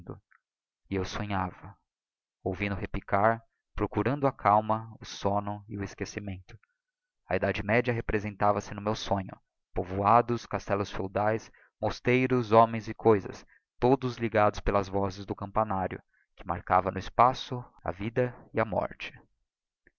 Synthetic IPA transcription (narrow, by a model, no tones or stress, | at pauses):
d̪ʊ̰ | ɪewsõɲavɐ | owvĩnd̪ʊɦeplikaɾ | pɾokuɾɐ̃nd̪ʊɐkʰawmɐʊsonʊɪʊɪskesimẽnt̪ʊ̥ | ɐ̰id̪ad͡ʒɪmɛd͡ʒɐɦepɾezẽnt̪avɐsɪnʊmewsõɲʊ̰ | povuad̪ʊskast̪ɛlʊsfewd̪ajs | most̪ejɾʊzomẽj̃zɪkʰojzɐ̰s | t̪od̪ʊzliɡad̪ʊspelɐzvɔzɪzd̪ʊkɐ̃mpanaɾjʊ̰ | kɪma̰ɾkavɐnʊɪspasʊɐ̰vid̪ɐɪɐmɔ̰ɾt͡ʃɪ̥